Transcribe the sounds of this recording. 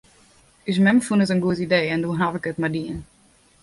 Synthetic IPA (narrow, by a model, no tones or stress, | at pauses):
ys̬mɛmfunətənɡuətideːɛndoəɦavɪkətmadiən